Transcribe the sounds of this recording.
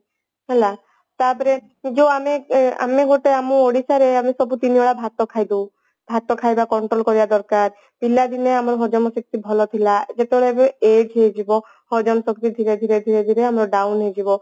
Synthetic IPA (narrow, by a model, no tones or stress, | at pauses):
ɦɛla | t̪aɾpɔɾe | d͡ʒewamea̰meɡoʈeamuoɽisaɾeamesɔbut̪inioɭabʱat̪ɔkʰajd̪ũ | bʱat̪ɔkʰajbakɔɳʈɾolkɔɾibad̪ɔɾkaɾ | pilːad̪ineamɾɔɦɔd͡ʒɔmɔsik̚t̪ibʱɔlɔt̪ʰilad͡ʒet̪ebɔɭɔebed͡ʒɦed͡ʒibɔ | hɔd͡ʒɔmɔsɔkt̪id̪ʱiɾed̪ʱiɾed̪ʱiɾed̪ʱiɾeamɾɔɖawnɦed͡ʒibɔ